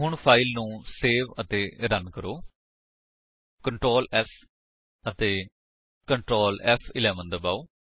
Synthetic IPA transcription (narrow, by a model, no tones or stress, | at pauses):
ɦʊɳpʰaːɪlnũːseːʋət̪eːɾənkəɾoː | kəɳʈɾoːlɛs | ət̪eː | kəɳʈɾoːlɛpʰɪlɛːʋənd̪əbaːoː